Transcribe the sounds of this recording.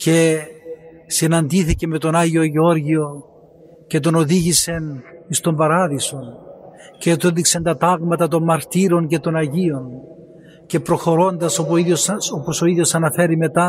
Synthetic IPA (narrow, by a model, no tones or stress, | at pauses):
ce̞ | sinɐnd̪iθiceme̞t̪o̞naʝio̞ʝeo̞ɾʝio̞ | ce̞t̪̬o̞no̞ðiʝise̞nist̪o̞mbɐɾɐðiso̞n | cet̪uðikse̞nt̪ɐt̪ɐɣmɐt̪ɐt̪o̞mmɐɾt̪iɾo̞nce̞t̪o̞nɐʝio̞n | ce̞pɾo̞xo̞ɾo̞nd̪ɐsoiosoposo̞iðjo̞sɐnɐfe̞ɾime̞t̪ɐ